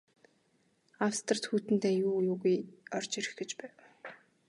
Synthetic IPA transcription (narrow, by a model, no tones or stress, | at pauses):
awst̪ə̆r̥t̪xuːt̪ɘ̆n̥t̪eːjuːjuːɣujɔr̥t͡ɕiɾɘ̆xɡĕt͡ɕpæːw